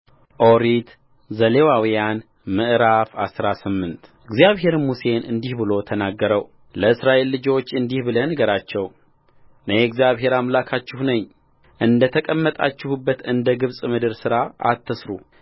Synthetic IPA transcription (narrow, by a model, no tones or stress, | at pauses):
ʔoɾit̪ | zəle̞wawijan | mɨʔɾafa̰sɾasɨmːɨnt̪ʔɨɡzjaβɦe̞ɾmuse̞nɨ̰nd̪ihbɨlo̞t̪ʰənaɡːəɾəw | ləɨsɾaʔelːɨd͡ʒo̞t͡ʃːɨnd̪ihbɨlənɡəɾat͡ʃːɛw | nəjɛɡzijaβɦe̞ɾamlakʰat͡ʃːɪhnəɲː | ʔɨnd̪ət̪ʰəkʼəmːət̪ʼa̰t͡ʃːɪhubːət̪ɨnd̪əɡɨβsʼmɨd̪ɨɾsɨɾaa̰t̪ʰːəsɾu